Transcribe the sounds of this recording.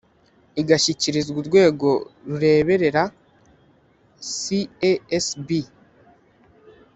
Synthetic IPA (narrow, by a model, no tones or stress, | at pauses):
iɡaʃiciɾizɡuɾɡwe̞ːɡo̞ɾuɾe̞ːβe̞ɾe̞ɾa | sieesbi